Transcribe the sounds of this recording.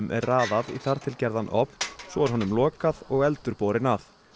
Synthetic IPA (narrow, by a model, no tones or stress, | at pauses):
mʔɛ̰ɾaːðaðḭθaɾ̥t̪ʰɪlcɛɾðanʔɔ̰pnsɔɛɾɦɔnːʏmlɔːkaðɔɣɛlt̪ʏɾpoːwɾɪnaf